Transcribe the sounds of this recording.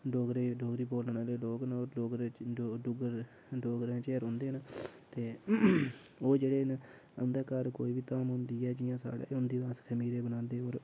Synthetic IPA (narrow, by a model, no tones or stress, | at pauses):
ɖoːɡɾeːɖoːɡɾiːpoːlnaːleːɖoːɡnoːoːɡɾeɖʊɡəɾ | ɖoːɡɾẽːt͡ʃeːɾʊ̃nd̪eːɦnt̪eː | oːd͡ʒeːɽeːn | ə̰nd̪eːkəɾko̰ːiːʋiːt̪aːmɦʊ̃nd̪iːɛːd͡ʒɪjãːsa̰ːɽḛːʊnd̪iːd̪ãːskʰəmiːɾeːbənãːnd̪eːoːɾ